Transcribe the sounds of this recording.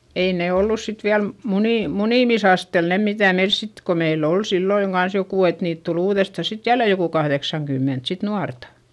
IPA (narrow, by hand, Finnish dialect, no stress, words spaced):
ei neˑ olːus sit ʋiæl muniˑ muniˑmisɑstel ne mitæˑ meils sit ko meilː ol silːoiŋ ɡ̊ɑns jokuˑ et niːt tul uːðestɑˑ sit jælːe jokuˑ kɑhðeksɑŋkymːent sit nuɑrtɑ